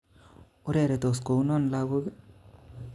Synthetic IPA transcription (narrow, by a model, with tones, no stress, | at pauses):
u˦ɾeɾe˨t̪o˨sko˨˦no˦nlaɡu˦ɡ